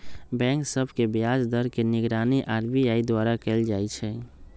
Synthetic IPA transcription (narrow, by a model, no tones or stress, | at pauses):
bɛ̃ŋksəbʱkebjad͡ʒd̪əɾkeniɡɾaniʔaɾbiaid̪waɾakɛld͡ʒajt͡ʃʰɛ